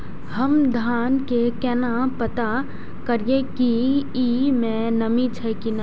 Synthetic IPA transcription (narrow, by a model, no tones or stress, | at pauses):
həmd̪ʱaːnkekɛːnapət̪a | kəɾiekiimɛ̃nəmit͡ʃʰɛkina